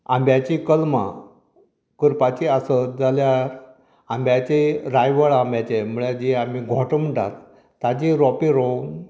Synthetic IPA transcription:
ãmbjat͡ɕikəlmã̰ | kəɾpat͡ɕiasəd͡zaljaɾ | ãmbʱjat͡ɕeɾajʋəɭambʱjat͡ɕem̤uɭed͡ʑiamiɡʱɔʈəmʈa̰t̪ː | ad͡ʑiɾɔpiɾon

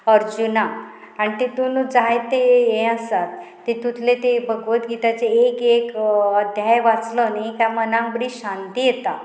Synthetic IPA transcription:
əɾd͡ʑuna | aɽ̃it̪et̪unud͡zajt̪ːejẽasat̪ː | et̪ut̪ʰlet̪ebəɡʋət̪ɡit̪at͡seːkekəd̪ʱjajʋat͡slɔnaikamənãŋkbəɽiɕant̪ijet̪a

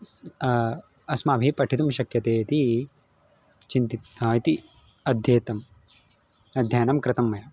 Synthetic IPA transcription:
s | ɐsmaːbʱipɐʈʰit̪umʃɐkjɐt̪eːt̪i | t͡ʃint̪it̪ːit̪i | ɐd̪ʱjeːt̪ɐm | ɐd̪ʱjaːnɐmkɾɪt̪ɐmːɐjɐ

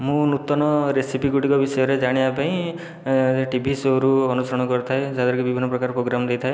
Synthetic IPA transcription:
mũnut̪ɔnɔɾesipiɡuʈiŋkɔbisɔjɔɾed͡ʒaɽ̃iapaĩ | ʈibʱisoɾuɔnusɾɔɽ̃ɔkɔɾt̪ʰaed͡ʒad̪ɔɾɔkibibʱinːɔpɾɔkaɾɔpɾoɡɾamɔd̪ejt̪ʰae

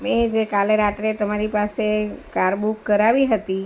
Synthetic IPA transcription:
med͡ʒekaleɾat̪ɾet̪əmaɾipasekaɾbukːəɾaʋiɦət̪i

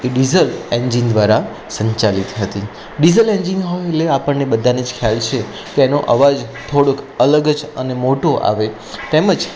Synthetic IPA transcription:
eɖizəlend͡ʒind̪ʋaɾa | sə̃ɲt͡ʃalit̪ɦət̪i | ɖizəlend͡ʒinɦojleapəɳːebəd̪ʱaned͡ʒkʰjalt͡ʃʰe | keenoʔə̰ʋad͡ʒt̪ʰoɽokʰələɡəd͡ʒənemoʈoʔa̰ʋe | t̪eməd͡ʒ

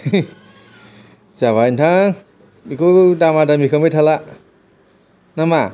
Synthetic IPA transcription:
zaβajntʰa | ikʰɯdamadamikʰamejtʰala | nama

